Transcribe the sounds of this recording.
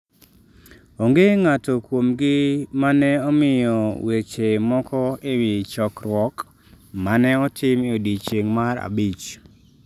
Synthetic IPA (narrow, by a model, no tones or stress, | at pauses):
oŋɡeŋatokwomɡɪmanɛɔmɪjɔwet͡ʃemɔkʰɔewɪt͡ʃɔkrwɔk | manɛɔtʰɪmodit͡ʃeŋmaɾa̰bit͡ʃ